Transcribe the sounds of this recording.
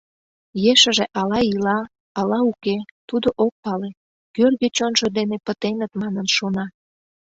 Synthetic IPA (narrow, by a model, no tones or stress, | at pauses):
jeʃəʒeʔɑlɑilɑ | ɑlɑuket̪ud̪oʔok̚pɑle | kørɣet͡ɕonʒod̪enepət̪enət̪mɑnənʃonɑ